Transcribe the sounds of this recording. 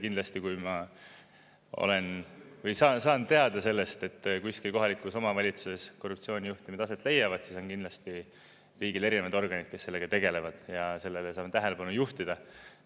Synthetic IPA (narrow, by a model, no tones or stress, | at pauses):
kind̪lɑst̪ikujmɑ | o̞̰le̞nvɤjsɑːnsɑːnːe̞ɑd̪ɑse̞lːe̞st̪e̞t̪ːkuiskilko̞ɦɑlikːˑuso̞mɑvɑlʲit̪su̥se̞skorːup̚t̪sio̞ːnʲijuht̪imed̪̥ɑse̞t̪ˑle̞jɑvɑd̪siso̞nkind̪lɑst̪i | riːɡile̞ɾinevɑd̪o̞rɡ̥ɑnʲid̪̥̚ke̞sːe̞lːe̞ɡ̥ɑt̪e̞ɡe̞le̞vɑd̪̥jɑse̞lːe̞lesɑːmet̪æɦe̞le̞pɑnujuht̪id̪̥ɑ